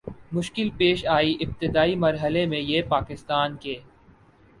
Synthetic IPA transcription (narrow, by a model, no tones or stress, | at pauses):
mʊʃkɪlpeːʃaːiʔɪb̚t̪ɪd̪aːimɐɾɦəlemẽjeːpaːkɪst̪aːnkeː